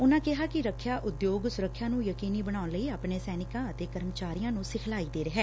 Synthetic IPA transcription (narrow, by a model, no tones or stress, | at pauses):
ʊnãːkɪɦaːkɪɾəkʰːjaːʔʊd̪joːɡsʊɾəkʰːjãːnũːjəkiːniːbəɽ̃aːʊnləiːaːpɳeːsɛːnɪkãːət̪eːkəɾmət͡ʃaːɾijãːnũːsɪkʰlaːiːd̪eːɾəɦɛː